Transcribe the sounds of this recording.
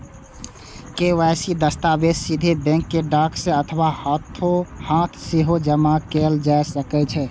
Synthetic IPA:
kewajsid̪əst̪abessid̪ʱebɛ̃ŋkːeɖakʰsẽət̪ʰəʋahat̪ʰːohãt̪ʰseɦod͡ʒəmakeld͡ʒajsəkɛt͡ʃʰɛ

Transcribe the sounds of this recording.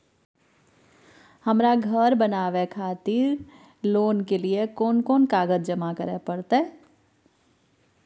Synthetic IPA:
hɐmɾaɡʱəɾbənaːʋekʰaːt̪iːɾ | loːnkeliekɔːnkɔːnkaːɡəd͡ʒd͡ʒɐmakəɾepɐɽt̪e

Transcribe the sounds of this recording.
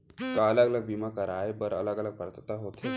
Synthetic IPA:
k̪aələɡələɡ̚bimakəɾajbəɾələɡələɡ̚pəɾt̪ʰət̪aɦot̪ʰe

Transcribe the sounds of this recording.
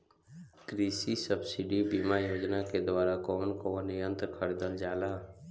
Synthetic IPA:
kɾiːsisəbsɪɖibimajoːd͡ʒnaked̪waːɾakɔːnkonɪjə̃nt̪ɾkʰəɽd̪əld͡ʒaːlaː

